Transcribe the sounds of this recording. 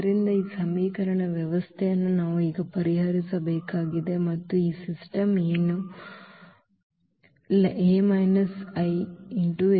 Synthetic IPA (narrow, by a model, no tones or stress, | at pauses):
ɾind̪ɐiːsɐmiːkɐɾɐɳɐʋjɐʋɐst̪ʰejɐnːunaːʋuiːɡɐpɐɾiɦɐɾisɐbeːkaːɡid̪e̞mɐt̪ːuiːsisʈɐmeːnu | lʔeːmɐjnɐsɐjiɳʈu